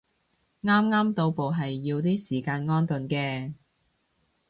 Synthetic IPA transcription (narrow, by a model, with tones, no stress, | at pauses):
ŋaː˥mŋaː˥mt̪o˧wpo˨wɦɐ˨jːiː˧wt̪iː˥siː˨˩kaː˧nŋɔː˥nt̪ɵ˨nkɛː˧